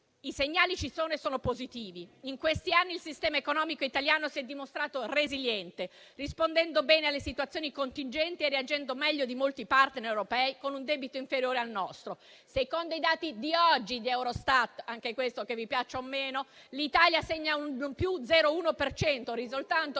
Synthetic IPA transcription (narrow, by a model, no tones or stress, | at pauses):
iseɲːaːlit͡ʃisoːnoesoːnopozit̪iːviiŋkwest̪ianːilsist̪ɛːmaekonɔːmikoit̪aljaːnosiɛd̪ːimost̪ɾaːt̪oreziljɛnt̪e | rispond̪ɛnd̪obɛːnealːesit̪uat̪sːjoːnikont̪ind͡ʒɛnt̪ieriad͡ʒɛnd̪omɛʎːod̪imolt̪ipart̪neɾewɾopɛːikonund̪ɛːbit̪oiɱfeɾjoːɾealnɔst̪ɾo | sekond̪oid̪aːt̪id̪iɔd͡ʒːid̪iɛwɾost̪at̪ːaŋk̟ekwest̪okevipjat͡ʃːeomːeːno | lit̪aljaseɲːaunpjud̪zɛːɾouːnopert͡ʃɛnt̪orizult̪ant̪o